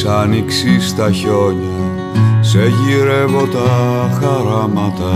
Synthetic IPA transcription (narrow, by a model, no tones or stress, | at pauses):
sɐniksist̪ɐço̞ɲi | seʝiɾevot̪ɐxɐɾɐmɐt̪ɐ